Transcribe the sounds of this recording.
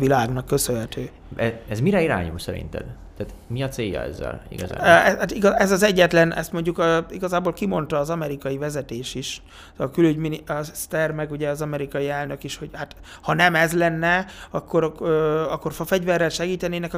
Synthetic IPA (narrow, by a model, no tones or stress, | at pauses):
vilaːɡnɒkːø̞sønɦɛt̪øː | ɛɛzmiɾɛiɾa̰ːɲṵlsɛɾḭnt̪ɛ̰n | t̪ɛːt̪ | miɒseːjːɒ̰ɛ̰zːɛ̰lḭɡɒza̰ːbɛat̪iɡɒɛzɒzɛɟːɛt̪lɛnɛst̪mo̞ɲɟukøiɡɒzaːbolkimo̞nt̪ɒːzɒmɛɾikɒjivɛzɛt̪eːʃiʃ | kylyɟminist̪ɛrmɛɡuɟɛɒzɒmɛɾikɒjiɛlnø̞kiʃho̞ɟhat̪ | hɒnɛmɛzlɛnːɛɒkːo̞ɾɒkːo̞rfɒfɛɟvɛrːɛlʃɛɡiːt̪ɛneːnɛkɒ